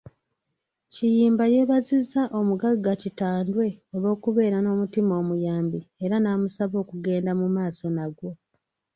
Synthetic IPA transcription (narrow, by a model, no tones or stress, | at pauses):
cijiːmbaje̞βazizːaʔo̞muɡaɡːacitaːndwe̞oβo̞ːkuβe̞ːɾano̞ːmutimo̞ːmujaːmbieɾanaːmusaβo̞ːkuɡe̞ːndamumaːso̞naɡwo̞